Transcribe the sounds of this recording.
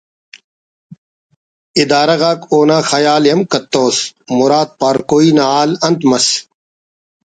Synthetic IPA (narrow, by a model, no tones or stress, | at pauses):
id̪aːɾɐɣaːkoːnaːxɐjaːljɐmkɐt̪ːoːsmʊɾaːt̪̚paːɾkoːiːnaaːlɐnt̪mɐs